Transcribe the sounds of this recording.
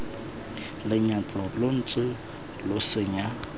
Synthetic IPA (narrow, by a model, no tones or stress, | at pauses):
lɪɲat͡sʼɔlon̩t͡sʼɪ | losɪɲa